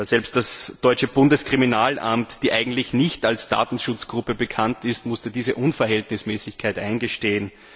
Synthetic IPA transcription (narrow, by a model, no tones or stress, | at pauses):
zɛlpst̚d̥asd̥ɔʏt͡ʃəb̥ʊndəskʁ̥iminaːlʔa̰mtd̥iːʔæɪɡŋ̩tlɪçnɪçtalsd̥a̰ːtn̩ʃʊt͡sɡ̥ʁʊpəbəkʰantɪstmʊstədiːzəʔʊnfɛɐɦɛltnɪsmɛːsɪçkʰaɪtʔaɪnɡəʃteːən